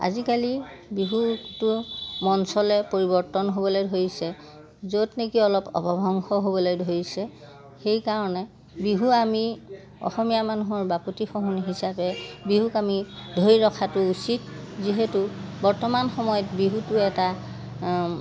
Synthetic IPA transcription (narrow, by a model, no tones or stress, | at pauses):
a̰zikalibiɦutʊmɔnsɔlɛpoɹibɔɹtɔnɦobɔlojdʱoɹisɛ | zotnekiɔlɔpɔ̰bɔbʱɔŋxɔɦobɔlojdʱoɹisɛ | xejkaɹɔnɛ | biɦuami | ɔ̰xɔmijamanuɦɔɹbapotixɔɦuniɦisapɛbiɦukamidʱojɹɔkʰatʊusitziɦetʊbɔɹtɔmanxɔmɔjɔtbiɦutʊɛta